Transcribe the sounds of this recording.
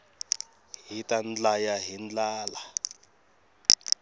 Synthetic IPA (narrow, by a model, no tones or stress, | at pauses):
ɦitʼand͡ɮajaɦind͡ɮaːla